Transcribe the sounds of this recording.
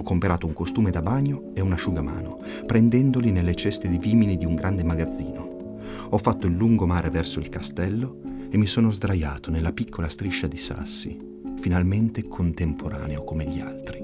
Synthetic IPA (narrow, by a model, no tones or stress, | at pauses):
kːompeɾaːt̪ouŋkost̪uːmed̪abaɲːo | eunaʃuɡama̰ːno | pɾɛnd̪ɛnd̪olinelːet͡ʃɛst̪ed̪iviːminid̪iuŋɡɾand̪emaɡad̪zːiːno | ɔfːat̪ːoilːuŋɡomaːɾevɛrsoilkast̪ɛlːo | emːisoːnozd̪ɾaja̰ːt̪onelːapikʰːolast̪ɾiʃːad̪isa̰sːḭ | finalment̪ekʰont̪empʰoɾa̰ːneokomeʎia̰lt̪ɾi